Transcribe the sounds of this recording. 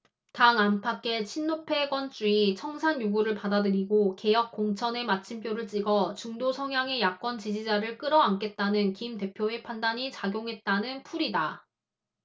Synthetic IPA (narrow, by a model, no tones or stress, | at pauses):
taŋampʰak͈ʰe̞t͡ɕʰinːopʰe̞ɡwʌnt͡ɕ͈uit͡ɕʰʌŋsʰaɲjuɡuɾɯɭpadadɯɾiɡoke̞jʌk̚k͈oŋt͡ɕʰʌne̞mat͡ɕʰimpʰjoɾɯɭt͡ɕ͈iɡʌt͡ɕuŋdosʰʌŋjaŋe̞jak͈wʌnt͡ɕid͡ʑid͡ʑaɾɯɭk͈ɯɾʌaŋk͈e̞t̚t͈anɯnkimte̞pʰjoe̞pʰandaɲit͡ɕaɡjoŋɦe̞t̚t͈anɯnpʰuɾida